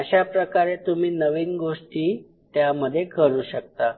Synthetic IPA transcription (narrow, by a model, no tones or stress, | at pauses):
əɕapɾəkaɾet̪um̤iːnəʋiːnɡoʂʈiː | t̪jaməd̪ʱːjekʰəɾuːɕək̚t̪a